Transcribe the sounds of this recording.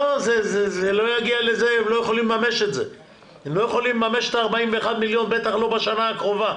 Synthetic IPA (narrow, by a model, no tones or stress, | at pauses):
ozezezelo̞jaɡialezeemlo̞jeχolimlemameʃet̪ze | emlo̞jeχo̞limlemame̞ʃet̪aːʁbaimveːχad̪miljo̞nbet̪aχlo̞baʃanaːkʁo̞va